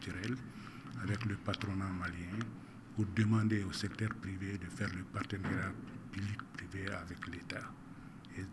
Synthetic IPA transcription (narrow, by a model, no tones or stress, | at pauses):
tyɾɛl | avɛkləpatɾonãmaljɛ̃ | udəmãndeosɛk̚tɛɾpɾivedəfɛɾləpartəneɾjapyblik̚pɾiveavɛkleta | e